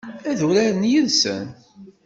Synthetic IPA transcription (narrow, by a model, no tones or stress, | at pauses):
æðuɾæɾənjəðsə̰n